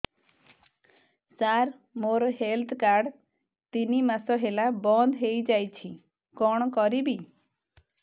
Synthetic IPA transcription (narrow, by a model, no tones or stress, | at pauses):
saɾ | moɾɦelt̪ʰkaɾɖ | t̪inimasɔɦelabɔnd̪ʱɦejd͡ʒajt͡ʃʰi | kɔɽ̃ɔkɔɾibi